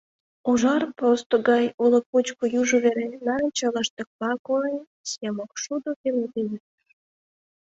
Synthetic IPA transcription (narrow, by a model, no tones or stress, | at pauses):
uʒɑrpost̪oɡɑjuloput͡ɕkojuʒoβeɾenɑɾənʲt͡ɕɑlɑʃt̪ə̆k̚pɑkoej | sjɑmokʃud̪okeled̪ejirəʃ